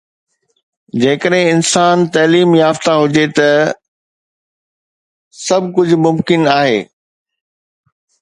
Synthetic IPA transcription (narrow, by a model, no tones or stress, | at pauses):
d͡ʑẽːkəɗɦẽɪnsaːnt̪ɐːliːmjaːft̪aɦʊd͡ʑet̪ɐ | sɐbʱkʊd͡ʑʱʊ̆mʊmkɪnaːɦḛː